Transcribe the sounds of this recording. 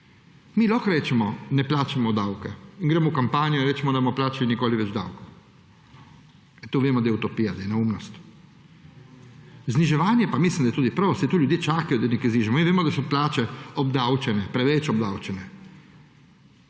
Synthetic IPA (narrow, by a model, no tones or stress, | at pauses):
milɔxɾeːt͡ʃɛmɔnɛplaːt͡ʃamɔd̪awkɛinɡɾeːmɔukampaːnijɔinɾeːt͡ʃɛmɔd̪abomɔplaːt͡ʃalinikoːliʋɛd͡ʒd̪a̰wko̥ | ɛt̪uːʋjeːmɔd̪ajɛut̪opijad̪jɛnaumnɔst̪ | zniʒɛʋaːnjɛpamislimd̪ajt̪uːd̪ipɾʋosɛt̪uːljud̪jeːt͡ʃaːkajod̪anɛkizniːʒɛmɔinʋeːmɔd̪asɔplaːt͡ʃɛɔb̚d̪awt͡ʃɛnɛpɾɛʋɛt͡ʃɔbd̪awt͡ʃɛnɛ